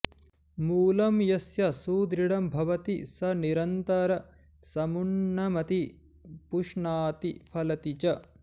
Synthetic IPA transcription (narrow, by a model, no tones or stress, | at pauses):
muːlɐmjɐsjɐsuːd̪ɾiɽɐmbʱɐʋɐt̪isɐniɾɐnt̪ɐɾɐ | sɐmuɳːɐmɐt̪i | puʂɳaːt̪ipʰɐlɐt̪it͡ʃɐ